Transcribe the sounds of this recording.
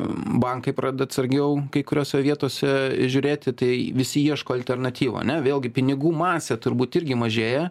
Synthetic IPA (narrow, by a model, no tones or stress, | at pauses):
bɐŋkɐɪpɾɑːd̪ʲɛd̪ɐt̪sɐɾʲɡʲɛʊkɐɪkʊɾʲoːsʲɛʋʲiɛt̪oːsʲɛʒʲʊːɾʲeːt̪ʲɪt̪ɐɪʋʲɪsʲɪiɛʃkoːɐlʲt̪ʲɛrnɐt̪ʲiːʋɐ̰ɐ̰nʲɛʋʲeːlˠɡʲɪpʲɪnʲɪɡuːmɑːsʲɛt̪ʊɾbuːt̪ɪɾʲɡʲɪmɐʒʲeːjɛ